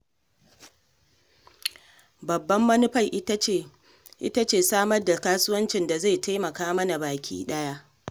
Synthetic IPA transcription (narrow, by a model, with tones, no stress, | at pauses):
bɐ˨bːɐ˦mːɐ˦nʊ˦ɸa˦˨jʔ | ʔɪ̰˦ta˦t͡ʃeː˨saː˦mɐ˦rda˨kaː˦sʊ˦wɐ˦nt͡ʃɪ˨nda˨za˦˨jta˦jmɐ˨kaː˦mɐ˦na˨baː˨kʲʰḭː˦ɗɐ˦ja˦ʔ